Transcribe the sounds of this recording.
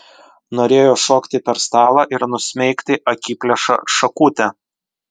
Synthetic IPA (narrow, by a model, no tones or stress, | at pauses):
noːɾʲeːjoːʃoːkʲt̪ʲɪpʲɛɾst̪ɑːlˠɑːʔɪɾnʊsʲmʲɛɪkt̪ʲɪʔɐkʲiːpʲlʲɛʃɐ̰ʃɐkuːt̪ʲɛ